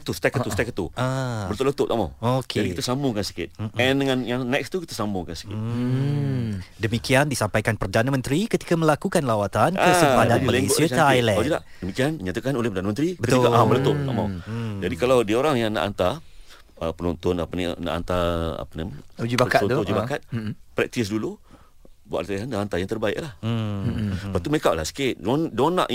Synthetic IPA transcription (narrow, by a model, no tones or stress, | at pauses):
t̪ust̪ɛkət̪ust̪ɛkət̪ːuaət̪ʊʔlət̪ʊʔ̚t̪ama̰wokʰadikit̪asamʊŋkansi̥kɪt̪̚ɛndəŋãnjaŋnɛkst̪ukit̪asambʊŋkansi̥kɪ | dəmikiandisampajkanpərdanamə̃nt̪ɾikət̪i̥kaməlakukanlawat̪ankəsipadanmalisiəsajlɛad͡ʒila̰dəmikianiɲat̪akanolehpərdanamənt̪ɾibətk̪iokaʔamənət̪ʊa̰mad͡ʒadikalawdiaoɾaŋjaŋna̰ʔa̰nt̪a | əpənɔnt̪ɔnapaninã̰ʔa̰nt̪aa̰panamad͡ʒibakad͡ʒibakat̪̚pɾɛk̚t̪isdulu | bua̰ʔ̪iɦanaant̪ajaŋt̪ərbaɪ̰ʔlahm̩ | pat̪uməekaʔlasə̥ket̪̚dndowanã̰ʔ